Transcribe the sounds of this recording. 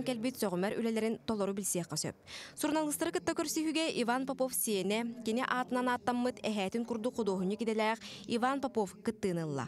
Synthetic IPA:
ŋkɛlbit̪sœʁymɛɾy̰lɛlɛɾint̪ɔlˠɔɾubilʲsiɛχɛsœ̰p̚suɾnalˠɯst̪aɾɯkɯt̪ːakœɾsiɦyɡɛʔivanpapɔfsiɛnɛkiniʔaːt̪ɯnanaːt̪ːamːɯt̪ɛɦɛːt̪iŋkuɾd̪uqud̪oːɦuɲɯkit̪ɛlɛːqivanpapɔfkɯt̪ːɯːnɯlˠːa̰

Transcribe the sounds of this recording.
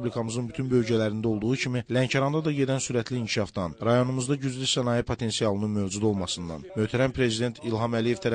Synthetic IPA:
blikʰɑmɯzɯnbyt̪ʰynbø̞lɟælæɾind̪æo̞lˠd̪uʁucʰimilæɲcʰɑɾɑnd̪ɑd̪ɑɟe̞d̪ænsyɾæt̪ʰliːɲcʰi̥ʃɑfd̪ɑnɾɑjo̞numuzd̪ɑɟyzlysænɑjipʰo̞t̪ʰe̞nsijɑlˠɯnɯnmø̞vd͡ʒud̪o̞lˠmɑsɯnd̪ɑ̰nmøht̪ʰæɾænpʰɾe̞zid̪e̞nt̪ʰilɦɑmælije̞vt̪ʰæɾæ

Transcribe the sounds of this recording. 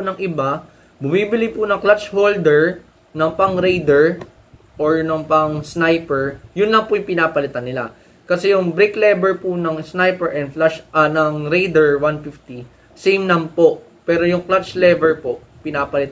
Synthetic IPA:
nɐŋʔɪba | bʊmibɪlɪpʊnɐŋklat͡ʃhold̪ɛɹ | nɐŋpɐŋɾejd̪ɛɹ | ʔoɹnɐŋpɐŋsnajpɛɹjʊnlɐŋpʊjʊŋpɪnaːpɐlɪt̪anːɪla̰ | kɐsɛjʊŋbɾiklɛbɛɹpʊnɐŋsnajpɛɹʔɛnflaʃʔɐnɐŋɾejd̪ɛɹwanfift̪i | sɛjmnɐmpo̞ʔ | pɛːɾo̞jʊŋklat͡ʃlɛbɛɹpo̞ʔ | pɪnaːpɐlɪt̪

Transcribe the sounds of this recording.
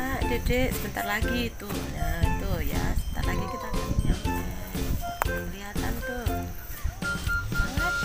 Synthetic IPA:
ad͡ʒedesəbənt̪arlaɡit̪ʊjait̪ʊja̰səbənt̪a̰rlaɡikit̪akaiɲama | kəliɦat̪a̰nt̪ʊh | aa

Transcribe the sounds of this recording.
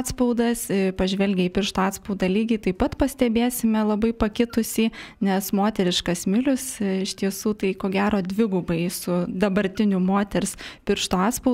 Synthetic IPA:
t̪spɐʊd̪ɐsɪpɐʒʲʋʲɛlʲɡʲɛiːpʲɪrʃt̪oːɑːt̪spɐʊd̪ɑːlʲiːɡʲɪt̪ɐɪpɐt̪pɐsʲt̪ʲɛbʲeːsʲɪmʲɛlˠɐbɐɪpɐkʲɪt̪ʊsʲiːnʲɛsmoːt̪ʲɛɾʲɪʃkɐsmʲɪlʲʊsɪʃt̪ʲiɛsuːt̪ɐɪkoːɡʲæːɾoːd̪ʲʋʲɪɡʊbɐɪsʊd̪ɐbɐɾʲt̪ʲɪnʲʊmoːt̪ʲɛɾspʲɪɾʃt̪oːɑːt̪spɐʊ

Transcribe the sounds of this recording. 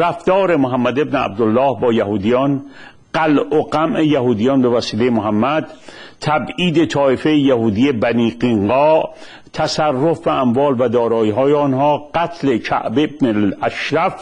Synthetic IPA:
ɾæfd̪ɒːɾe̞moɦæmːæd̪e̞bneæ̰b̚d̪olːɒːhbɒːjæɦuːd̪ijɒːn | ɢ̥ælʔoɡæmʔe̞jæhuːd̪ijɒːnbevæsiːlejemoɦæmːæd̪t̪ʰæbiːd̪et̪ʰɒːʔefejejæhuːd̪ijebæniːɡiŋɢɒːʔ | t̪ʰæsærːofbæʔːmvɒːlvæd̪ɒːɾɒːiɦɒːjeɔnhɒːɡæt̪ʰle̞kʰæ̰ʔbebnelæʃɾæf

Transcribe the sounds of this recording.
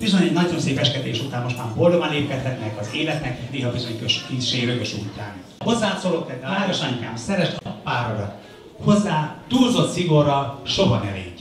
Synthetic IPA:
b̥izo̞ɲɛɟnɒɟzonseːpɛʃkɛt̪eːʃut̪aːmo̞ʃt̪maːmbold̪ovɒnleːpkɛt̪hɛt̪nɛkɒzeːlɛt̪nɛkneːɦɒbizo̞ɲkøʃkisʃeːɾøɡøʃuːt̪aːn | ho̞zːaːt̪solokːɛd̪ɛaːɾoʃɒɲukaːmsɛɾɛʃpaːɾoɾɒt̪ | ho̞zːaːt̪uːlzo̞t̪siɡo̞rɒlʃoɦɒ̰nɛ̰lḛːɟ

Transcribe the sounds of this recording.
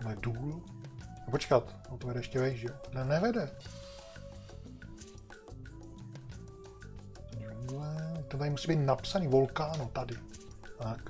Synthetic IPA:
lɛduːl | ɛpot͡ʃkat̪ | ot̪ovɛdɾɛɛʃcɛvɛjʃʒɛnɛnɛvɛdɛ | d͡ʒuŋɡlɛt̪ɛnt̪aɾɪmusiːbiːt̪napsaniːvolkaːnot̪adɪak

